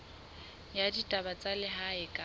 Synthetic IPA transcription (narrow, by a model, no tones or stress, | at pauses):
jaditʼabat͡sʼalɪɦaɪkʼa